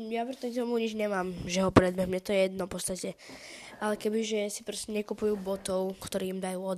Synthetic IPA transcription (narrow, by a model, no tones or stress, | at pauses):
japɾɛt̪ɔt̪ɔmuɲid͡ʒɲɛmaːmʒɛɦɔpɾɛd̪̚bɛɦmɲɛt̪ɔjɛjɛd̪nɔfpɔt̪st̪acɛʔalɛkɛbiʒɛsi̥pɾɔscɛɲɛkupujuːbɔt̪ɔʊkt̪ɔɾiːmd̪ajuːɔd̪